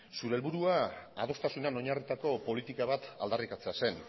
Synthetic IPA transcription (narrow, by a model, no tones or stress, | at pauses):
suɾe̞lβuɾuaað̞o̞st̪asunano̞ɲarit̪ako̞po̞lit̪ikaβ̞at̪a̰ld̪arikat͡se̞ase̞n